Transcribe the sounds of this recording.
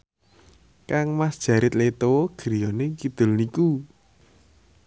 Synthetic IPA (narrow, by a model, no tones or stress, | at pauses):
kaŋmasd̥ʒ̥a̤ɾɪt̪let̪oɡ̥ɾijɔnekid̪̥ʊ̤lniku